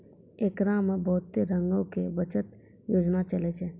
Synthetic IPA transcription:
eːkɾamẽbɔːt̪ːeɾə̃ŋɡõkeʋət͡ʃət̪ | joːd͡ʒnat͡ʃəlet͡ʃʰɛː

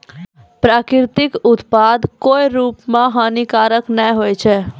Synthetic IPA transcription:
pɾaːkɪɾt̪ɪkʊt̪pad̪koːjɾuːpmãɦanikaːɾəknɛjɦojt͡ʃʰɛ

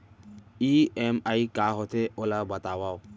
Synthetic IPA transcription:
iɛmajkaɦɔt̪ʰeolabat̪awaw

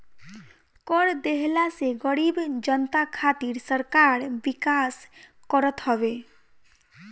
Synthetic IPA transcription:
kɔɾd̪eɦlaseɡəɽibd͡ʒənt̪akʰat̪iɾsəɾkaɾbikas | kɔɾət̪ɦɔbe

